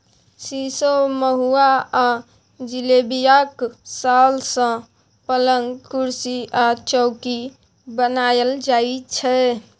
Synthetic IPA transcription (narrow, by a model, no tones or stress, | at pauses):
sisoməɦua | d͡ʒilebijaksalsə̃ | pələŋɡkuɾsiʔat͡ʃɔʊki | bənajəld͡ʒaːit͡ʃʰɛ